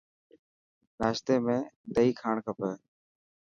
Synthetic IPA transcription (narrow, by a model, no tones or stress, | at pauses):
ɾaːʃt̪eːmẽːd̪əiːkʰaːɳkəpəː